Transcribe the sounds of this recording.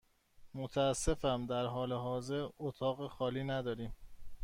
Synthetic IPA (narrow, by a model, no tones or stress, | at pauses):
mot̪ʰæːsːe̞fæmd̪æɾɦɒːleɦɒːze̞ɾot̪ʰɒːɣexɒːliːnæd̪ɒːɾiːm